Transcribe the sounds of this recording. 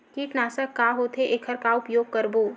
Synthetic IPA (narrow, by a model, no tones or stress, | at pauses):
kiʈnaːsəkkːaɦot̪ʰeʔeːkʰəɾkaʊpjoːɡ̚kəɾboː